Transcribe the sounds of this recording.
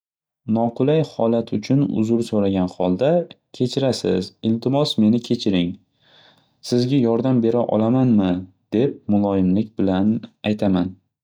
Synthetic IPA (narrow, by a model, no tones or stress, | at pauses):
nɒqʊlajhɒlat̪ʰʊt͡ʃʰʊnʊ̰zʊɾsoɾaɡʲanhɒlˠd̪akʲʰe̞t͡ʃʰɪɾasɪ̰zɪlt̪ʰɪmɒsme̞nɪkʲʰe̞t͡ʃʰɪɾɪŋ | sɪzɡʲajɒɾd̪ambe̞ɾaʔɒ̰lamanmɪ | d̪̥e̞p̚mʊlˠɒjɪmlɪk̚ʲbɪlanajt̪ʰaman